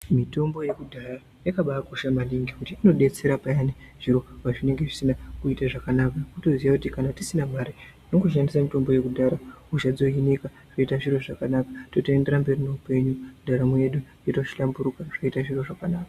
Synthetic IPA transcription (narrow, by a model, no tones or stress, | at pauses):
mito̞mbo̞je̞kudʱaɾa | jakaɓaakoʃamaniŋɡikutiino̞ɗe̞t͡se̞ɾapajaneʐ̥iɾo̞ʋaʐine̞ŋɡe̞ʐisinakuitaʐakanakakuto̞ziʋakutikanatisinamaɾe | no̞kuʃandisamito̞mbo̞je̞kudʱaɾaut͡ʃad͡zo̞ineka | ʐ̥oitaʐiɾo̞ʐakanakḁto̞tende̞ɾamberinoupe̞ɲudʱaɾamueɗujeto̞ʃi̥ɬambuɾukaʐ̥aitaʐiro̞ʐakanaːkḁ